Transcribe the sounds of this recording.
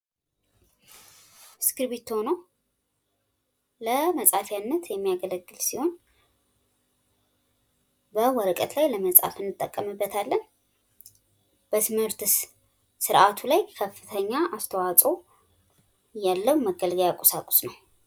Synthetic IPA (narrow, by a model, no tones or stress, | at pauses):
skɨɾβit̪ːhono | ləməsʼafjanːət̪ʰjɛmːijaɡələɡːɨlsiho̞n | bəwɔɾəkʼət̪lajləməsʼa̰fɨnːɨt̪ʼːəkʼːəmɨbːət̪ʰalːən | b̥ət̪ʰɨmhɨɾt̪ | sɨɾʔat̪ʰulajkʰəfːɨt̪ʰəɲːaʔast̪ʰəwat͡sʼo | jalːəwməɡəlɡəjakʼosakʼʊ̥snəw